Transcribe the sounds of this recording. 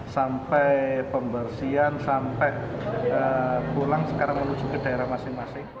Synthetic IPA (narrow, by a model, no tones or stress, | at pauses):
sampɛjpəmbərsiansampɛəb̥olaŋsəkaɾaŋmənu̥d͡ʒʒ̥ukəd̥a̤eɾahmasɪŋmasɪŋ